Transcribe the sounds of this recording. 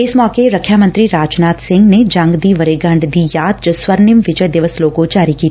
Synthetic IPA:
ɪsmɔːkeɾɐkʰjamə̃nt̪ɾiɾaːd͡ʒnaːt̪sɪ̃ŋɡned͡ʒɐ̃ŋɡd̪iːʋəɾeɡɐ̃ɳɖd̪ijaːd̪̚d͡ʒəswɐɾnɪmʋɪd͡ʒəjd̪ɪʋəsloːɡõd͡ʒaːɾikiːt̪ː

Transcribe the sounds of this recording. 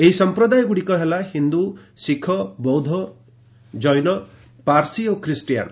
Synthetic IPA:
eɦisɔmpɾɔd̪ajɔɡuɽikɔɦelahind̪u | sikʰɔbɔwd̪ʱɔ | d͡ʒɔjnɔ | paɾsiokɾisʈija̰n

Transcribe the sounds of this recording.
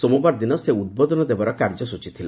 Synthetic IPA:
sɔmɔbaɾd̪inɔseud̪̚bɔd̪ɔnɔd̪ebaɾɔkaɾd͡ʒɔsut͡ʃit̪ʰila

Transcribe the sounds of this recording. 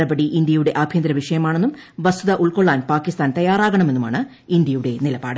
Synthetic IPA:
ɐbɐɽiʔind̪jɐjuɽe̞ʔɐbʱjɐnd̪ɾɐʋiʂɐjɐmaːɳe̞nːum | ʋɐsuðɐʔuɭko̞ɭːaːnpaːkist̪aːnt̪ɐjaːɾaːɡɐɳɐme̞nːuma̰ːɳɨ | ind̪jɐjuɽe̞nilɐba̰ːɽɨ

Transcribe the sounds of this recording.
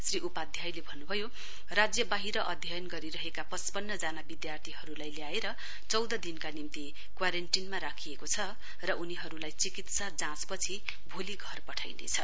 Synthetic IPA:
sriʔupad̪ʱjajlebʱʌnːubʱʌjo | rad͡zjʌbaɦiɾʌʔʌd̪ʱjʌjʌnɡʌɾiɾʌɦekapʌspʌnːʌd͡zanabid̪jart̪ʰiɦʌɾulajljaeɾʌ | t͡sʌwd̪ʌd̪inkanimt̪i | kwaɾeɳʈinmaɾakʰijekot͡sʰʌ | rʌʔuniɦʌɾulajt͡sikit̪sad͡zãspʌt͡sʰi | bʱuliɡʱʌrpʌʈʰajnḛt͡sʰʌ

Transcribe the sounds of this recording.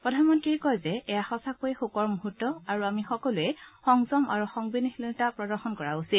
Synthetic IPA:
pɹɔdʱanmɔntɹikɔjzɛɛjaxɔsakojxokɔɹmuɦutːɔaɹuamixɔkɔlʊɛxɔŋzɔma̰ɹuxɔŋbinxilɔntapɹɔdɔɹxɔnkɔɹausit̚

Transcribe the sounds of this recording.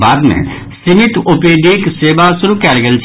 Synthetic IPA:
baːd̪mḛ̃ | sɪmɪt̪ʰopeːɖeːkseːbasʊɾukɛːɾɡəlt͡ʃʰ

